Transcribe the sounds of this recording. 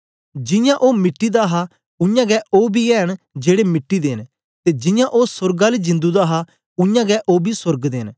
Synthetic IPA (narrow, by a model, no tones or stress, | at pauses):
d͡ʒɪ̃jãːʔoːmɪʈːiːd̪aːɦaː | ʊ̃jãːɡɛːʔoːbiːɛːɦən | d͡ʒeːɽemɪʈːiːd̪eːn | t̪eːd͡ʒɪ̃jãːʔoːsʊɾɡaːleːd͡ʒɪ̃nd̪uːd̪aːɦaː | ʊjãːɡɛːʔoːbiːsʊɾɡd̪ḛːn